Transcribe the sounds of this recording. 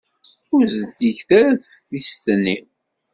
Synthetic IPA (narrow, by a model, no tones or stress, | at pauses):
ʊɾzəd̪içθaɾaθfəθist̪nːi